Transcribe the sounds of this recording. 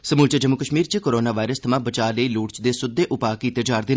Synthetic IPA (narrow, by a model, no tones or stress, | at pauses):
səmuːlt͡ʃəd͡ʒəmːukəʃmiːɾt͡ʃikoːɾoːnaːʋaːɪɾəst̪ʰɐmãːbət͡ʃaːləiːluːʈt͡ʃd̪eːsʊd̪ːeːʔʊpaːkiːt̪ed͡ʒaːɾd̪ɪn